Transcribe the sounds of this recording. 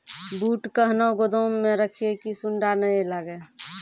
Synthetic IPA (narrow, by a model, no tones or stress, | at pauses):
buːʈkəɦnoɡod̪oːeɾəkʰiekisuɳɖanəẽləɡe